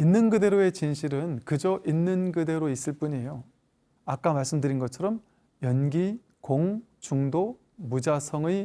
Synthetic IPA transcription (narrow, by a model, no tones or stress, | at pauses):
inːɯnɡɯde̞ɾoe̞t͡ɕinɕʰiɾɯnkɯd͡ʑʌʔinːɯnɡɯde̞ɾois͈ɯɭp͈uɲiejo | ak͈amaɭs͈ɯmdɯɾinɡʌt͡ɕʰʌɾʌm | jʌnɡi | koŋt͡ɕuŋdo | mud͡ʑasʰʌŋɯ